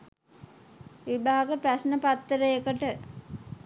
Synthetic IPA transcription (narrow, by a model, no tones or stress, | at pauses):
ʋibaːaɡəpɾasnəpat̪ːəɾəjekəʈə